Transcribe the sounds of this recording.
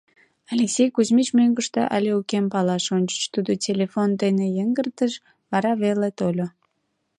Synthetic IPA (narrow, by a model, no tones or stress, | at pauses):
ɑlʲeksʲejkuzmit͡ɕmøŋɡəʃt̪ḛʔɑ̰lʲeukempɑlɑʃonʲt͡ɕə̥ʃt̪ud̪otʲelʲefond̪enejəŋɡərt̪əʃ | βɑɾɑβelet̪olʲo